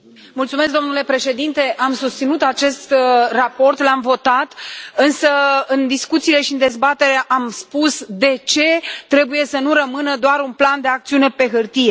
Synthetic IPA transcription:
mult̪sume̞s̬kd̪onule̞pɾe̞ʃe̞d̪int̪e̞ʔamsust̪sinut̪at͡ʃe̞st̪rapo̞rt̪lamvo̞t̪at̪ɨnsəɨnd̪iskut̪siːle̞ʃiɨnd̪e̞zbat̪e̞ɾaʔamspusd̪e̞t͡ʃe̞t̪ɾe̞buje̞sənuɾəmɨnəd̪oaɾunpland̪e̞ak̚t̪siune̞pe̞ɦɨrt̪ije̞

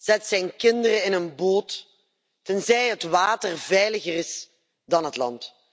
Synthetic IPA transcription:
z̥ɛtsɛjnkɪndərəɪnənboːt | tənzɛjɦətʋaːtərvɛjləɣərɪs | dɑnɦətlɑ̰nt

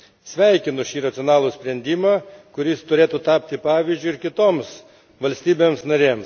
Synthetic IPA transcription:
sʲʋʲɛɪkʲɪnʊʃʲiːɾɐt̪sʲɪoɔnɑːlˠuːsʲpʲɾʲɛnʲd̪ʲiːmɑːkʊɾʲɪst̪ʊɾʲeːt̪uːt̪ɑːpʲt̪ʲɪpɑːʋʲizʲd͡ʒʲʊɪɾkʲɪt̪oːms | ʋɐlʲsʲt̪ʲiːbʲeːmsnɐɾʲeːms

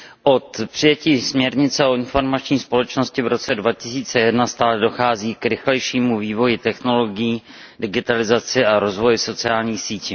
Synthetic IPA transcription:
ʔo̞t̪pr̝̥ɪjɛciːsmɲɛɾɲɪt͡sɛo̞ɪnfo̞ɾmat͡ʃɲiːspo̞lɛt͡ʃno̞scɪvɾo̞t͡sɛdvacɪsiːt͡sɛjɛdnast̪aːlɛdo̞xaːziːkɾɪxlɛjʃiːmuviːvo̞jɪt̪ɛxno̞lo̞ɡɪjiː | dɪɡɪt̪alɪzat͡sɪaɾo̞zvo̞jɪso̞t͡sɪaːlɲiːxsiːci

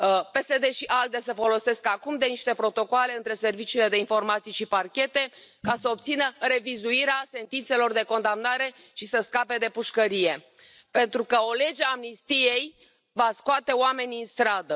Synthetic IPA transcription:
pe̞sed̪e̞ʃiʔald̪esefo̞lo̞se̞skakumd̪e̞niʃt̪e̞pɾo̞t̪o̞koale̞ɨnt̪ɾe̞se̞rvit͡ʃiːle̞d̪e̞info̞rmat̪sijʃiparkʲe̞t̪e̞kasəo̞p̚t̪sinəɾe̞vizuiɾease̞nt̪int̪se̞lo̞rd̪e̞ko̞nd̪amnaɾe̞ | ʃisəskape̞d̪e̞puʃkəɾije̞ | pe̞nt̪ɾukəo̞le̞d͡ʒeamnist̪ije̞j | vaskoat̪e̞oame̞nʲɨnst̪ɾad̪ə

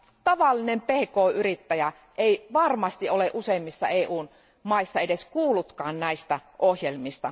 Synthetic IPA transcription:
t̪ɑʋɑlːinempehkoːyrit̪ːæjæ | ʔeiʋɑrmɑst̪iʔoleʔuseimːisːɑ̰eːʔuːn | mɑisːɑedeskuːlːut̪kɑːnnæist̪æʔohjelmist̪ɑ

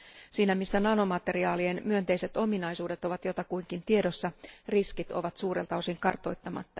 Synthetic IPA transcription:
siːnæmisːænɑno̞mɑt̪e̞riɑːlienmyønt̪e̞jse̞t̪o̞minɑjsuːde̞t̪o̞ʋɑt̪jo̞t̪ɑkujŋk̟int̪ie̞dosːɑriskit̪o̞̰ʋɑt̪suːɾe̞lt̪ɑo̞siŋkɑrt̪o̞jt̪ːɑmɑ̰t̪ːɑ

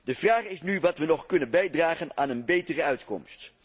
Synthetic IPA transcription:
dəvraːχɪsnyʋɑtʋənɔχkɵnənbɛjdraːχəna̰ːnənbejtərəœɥtkɔ̰mst

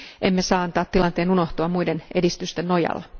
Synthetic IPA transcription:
ʔemːesɑːɑnt̪ɑːt̪ːilɑnt̪e̞ːnunoht̪oɑmuidene̞dist̪yst̪enːojɑ̰lːɑ

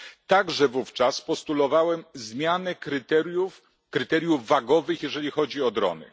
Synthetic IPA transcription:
t̪aɡʐɛvuft͡ʂaspɔst̪ulɔvawɛmzmʲjanɛkɾɘt̪ɛɾjuf | kɾɘt̪ɛɾʲjuvːaɡɔvɘxjɛʐɛlʲixɔd͡ʑiɔd̪ɾɔ̰nɘ̰

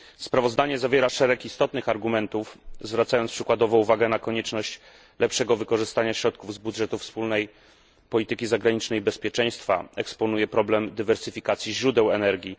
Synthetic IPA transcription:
spɾavɔzd̪aɲɛzavʲjɛɾaʂɛɾɛkist̪ɔt̪nɘxaɾɡumɛnt̪ufzvɾat̪sajɔnspʂɘkwad̪ɔvɔ̃uvaɡɛnakɔɲɛt͡ʂnɔɕt͡ɕ | lɛpʂɛɡɔvɘkɔʐɘst̪aɲaɕɾɔt̪̚kuvzbudʐɛt̪ufspulnɛj | pɔlʲit̪ɘkʲizaɡɾaɲit͡ʂnɛjbɛspʲjɛt͡ʂɛj̃st̪fa̰ɛkspɔnujɛpɾɔblɛmd̪ɘvɛɾsɘfʲikat̪sʲjiʑɾud̪ɛwɛnɛɾɡʲi

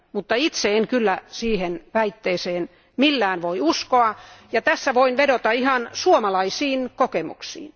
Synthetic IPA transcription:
mut̪ːɑit̪seeŋkylːæsiːhenʋæit̪ːeːseːn | milːæːnʋoiuskoɑjɑt̪æsːæʋoinʋedot̪ɑihɑnsuomɑlɑisiːnkokemṵksḭːn

